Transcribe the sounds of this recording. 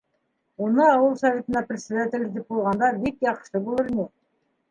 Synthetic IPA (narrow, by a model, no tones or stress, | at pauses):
wonɤɑwəlˠsavʲe̞t̪ə̆nɑprʲɪt̪sʲed̪at̪ʲelʲzd̪ep̚bolˠʁɑnd̪ɑbekjɑqʃəbolˠəɾne